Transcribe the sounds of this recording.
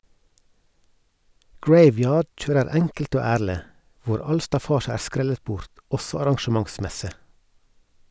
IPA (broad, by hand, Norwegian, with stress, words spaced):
ˈɡɹeɪˌʋjɑːɖ ˈc͡çøːɾəɾ ˈɛŋkl̩t ˈoː ˈæːɭə ˈʋʊɾ ˈɑl stɑˈfɑːʃə ˈæː ˈskɾɛlət ˈbʊɾt ˈɔsɔ ɑɾɑŋʃəˈmɑŋˌsmɛsə